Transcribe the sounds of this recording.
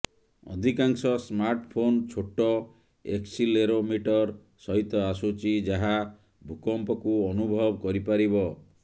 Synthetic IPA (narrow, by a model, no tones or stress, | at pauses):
ɔ̰d̪ʱikaŋsɔsmaɾʈpʰont͡ʃʰoʈɔ | eksileɾomiʈɔɾ | sɔɦit̪ɔasut͡ʃid͡ʒaɦa | bʱukɔmpɔkuɔnubʱɔbɔkɔɾipaɾibɔ